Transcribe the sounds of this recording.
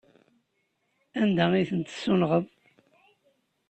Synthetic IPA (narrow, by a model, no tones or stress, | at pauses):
ænd̪æiθənt̪ə̥sːulʁəðˤ